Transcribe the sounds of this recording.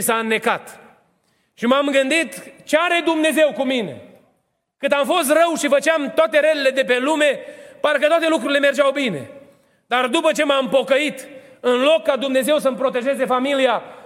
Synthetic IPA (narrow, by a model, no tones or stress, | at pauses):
sanːe̞kat̪ | ʃimamɡɨnd̪it̪t͡ʃeaɾe̞d̪umne̞ze̞wkumine̞̰ | kɨnamfo̞s̬t̪rəwʃifət͡ʃeamt̪oat̪e̞ɾelele̞d̪e̞pe̞lume̞paɾkət̪oat̪e̞lukɾuɾile̞me̞rd͡ʒawbine̞̰ | d̪̥ard̪upət͡ʃe̞maɨmpo̞kəit̪ | ɨnlo̞kːad̪umne̞ze̞wsəmpɾo̞t̪e̞ʒe̞ze̞familia